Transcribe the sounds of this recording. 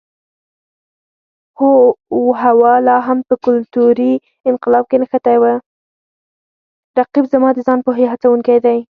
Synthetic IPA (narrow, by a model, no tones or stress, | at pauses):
xoɦawɑlɑɦampəkʊlt̪uɾi | ɪnqɪlɑb̚kenəxat̪ajwə | ɾaqibzamɑd̪əzɑnpoɦeɦat͡sawuŋkajd̪aj